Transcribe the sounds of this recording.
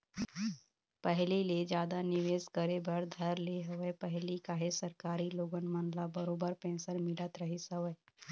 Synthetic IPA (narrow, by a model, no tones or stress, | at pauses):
pəɦliled͡ʒjaːd̪anɪʋeːskəɾebəɾd̪ʱəɾleɦəʋəpəɦlikaːɦesəɾkaːɾiloːɡənmənlabəɾoːbəɾpɛ̃ːnsəɾmɪlət̪ɾəɦisəʋəj